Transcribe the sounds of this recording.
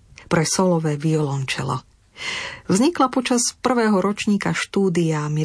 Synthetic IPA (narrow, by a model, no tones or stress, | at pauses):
pɾɛsɔlɔʋɛːʋiɔlɔnt͡ʃɛ̰lɔ̰ | vzɲiklapɔt͡ʃaspr̩ʋɛːɦɔɾɔt͡ʃɲiːkaʃt̪uːd̪iami